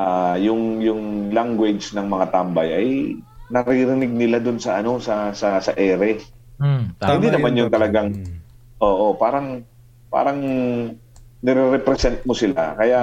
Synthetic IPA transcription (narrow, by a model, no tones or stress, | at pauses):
ʔajʊŋjʊŋlaŋɡwɛd͡ʒnɐŋmɐŋat̪ambɐjʔɐjnɐɾiɾɪnɪɡ̚nɪlad̪ʊnsɐʔɐno̞sɐsɐsɐʔɛːɾɛ | hɪnd̪inɐmanjʊŋt̪ɐlɐɡaŋ | ʔo̞ːʔo̞paːɾɐŋ | pa̰ːɾɐŋ | nɪɾɛɾɛpɾɛsɛnt̪̚mosɪlakɐja